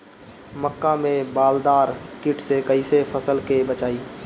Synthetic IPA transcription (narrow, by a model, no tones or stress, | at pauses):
məkːamẽbaːld̪aːɾkɪʈsekəisepʰəsəlkebət͡ʃaːiː